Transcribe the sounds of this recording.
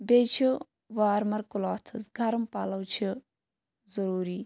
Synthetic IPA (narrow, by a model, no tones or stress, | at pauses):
beːt͡ʃʰi | ʋaːɾmɐɾkulaːt̪ʰɨsɡʱɐɾumpaːlɐwt͡ʃʰi | zɐɾuːɾiː